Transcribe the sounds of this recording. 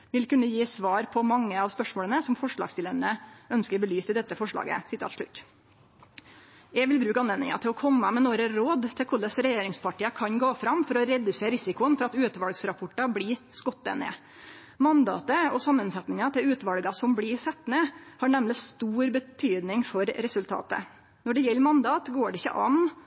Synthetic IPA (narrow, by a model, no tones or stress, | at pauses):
ʋɪlkʉnːəjiːsʋɑːɾpʰɔmɑŋːəɑʋspœʂmoːlənəsɔmfɔʂɭɑ̰ɡsd̪ɪləɾnəœnskəɾbəlyːst̪ɪd̪ɛt̪ːəfɔʂɭɑ̰ːɡə̰sɪt̪ʰɑ̰t̪ʂɭʉ̰t̪ː | jɛʋɪlbɾʉːkɑneːnɪ̰ŋɑ̰t̪ʰɪlɔkʰɔmːəmɛnoːɾəɾoːd̪t̪ʰɪlkʰʊɭəsɾɛjeːɾɪŋspɑʈiːəkʰɑɲɡoːfɾɑmfɔɾɔɾɛd̪ʉseːɾɪsɪkʊənfɔɾɑt̪ʉːt̪ʋɑlɡsɾɑpʰɔʈːɑbliːskɔt̪ːə̰nə̰ | mɑnd̪ɑ̰ːt̪əɔsɑmːənsɛt̪nɪŋɑt̪ʰɪlʉːt̪ʋɑlɡɑsɔmblɪsɛt̪ːnəhɑːɳɛmlɪst̪uːɾbət̪ʰyːd̪nɪŋfɔɾɾɛsʉlt̪ʰɑ̰ːt̪ə̰ | nɔɖɛjɛlːmɑnd̪ɑːt̪ɡoːɖɛɪçːə̰ʔɑ̰n